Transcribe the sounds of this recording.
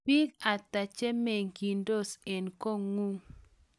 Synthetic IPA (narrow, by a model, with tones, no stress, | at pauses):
pi˦ka˨ta˨t͡ʃe˦me˨ŋki˨ndo˦˨se˨nko˦˨ŋu˦